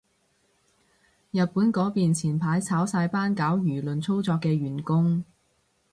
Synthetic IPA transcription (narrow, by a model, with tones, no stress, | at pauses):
jɐ˨t̚puː˨˥nkɔː˨˥piː˨nt͡sʰiː˨˩npʰaː˨˥jt͡sʰaː˨˥wsaː˧jpaː˥nkaː˨˥wjyː˨˩lɵ˨nt͡sʰo˥wt͡sɔː˧kːɛː˧ɥyː˨˩nkʊ˥ŋ